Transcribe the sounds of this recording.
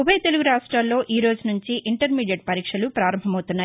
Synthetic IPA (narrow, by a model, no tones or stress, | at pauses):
ubɐjt̪e̞luɡuɾaːʂʈɾaːllːo̞ːʔiːɾo̞ːd͡ʒunuɲt͡ʃiʔiɳʈɐɾmiːɖijeʈ̚pɐɾiːkʂɐlupɾaːɾɐmbʱɐmɐwt̪unːaː